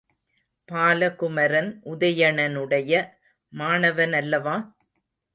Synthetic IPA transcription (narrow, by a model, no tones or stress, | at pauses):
paːlɐkʊmɐɾɐnʔʊðɐjɐɳɐnɯɽɐjɐ | maːɳɐʋɐnɐlːɐʋãː